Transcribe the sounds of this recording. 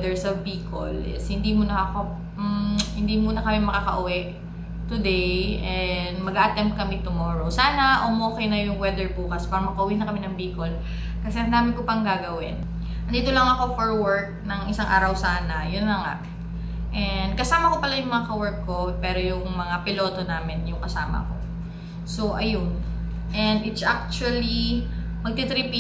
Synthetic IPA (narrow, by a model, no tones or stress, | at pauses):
d̪ɛɹsɐbiːko̰lɛ̰shɪnd̪imuːnɐɐko | hɪnd̪imuːnɐkɐmɛmɐkakɐ̰ʔʊwɛʔ | t̪ʊd̪ejʔɛnd̪mɐɡaʔɐt̪ɛmp̚t̪̚kɐmɪt̪ʊmoːɹosaːnɐʔomoːkɛjnɐjʊŋwɛd̪ɛɹpuːkɐspaːɾɐmɐkɐʔʊwinɐkɐmɪnɐŋbiːko̞l | kɐsɛhɐnd̪aːmɪnkopɐŋɡaːɡɐwɪ̰n | ʔɐnd̪iːt̪olɐŋɐko̞foɹwɛɹk̚nɐŋʔɪsaŋʔa̰ːɾɐwsaːnɐjʊnlɐŋa̰ʔ | ʔɛnd̪̚kɐsaːmɐko̞pɐlajʊŋmɐŋakɐwɛɹkːo̞pɛːɾojʊŋmɐŋapɪlo̞ːt̪onaːmɪnjʊŋkɐsaːmɐ̰ko̞̰ | soʔɐjon | ʔɛnd̪ɪt̪sʔak̚t͡ʃuɐli | mɐɡ̚t̪it̪ɾɪpi